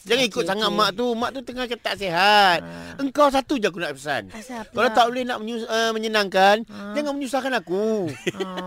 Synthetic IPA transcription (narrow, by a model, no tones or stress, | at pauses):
d͡ʒaŋaŋikʊt̪̚saŋat̪̚maʔt̪umãʔt̪ut̪əŋakət̪aʔseɦat̪̚əŋkaws̬at̪ud͡ʒak̬unaʔpəsa̰nkalat̪aʔbolɪhnaʔməɲuəməɲənaŋkand͡ʒaŋanməɲusahkanaku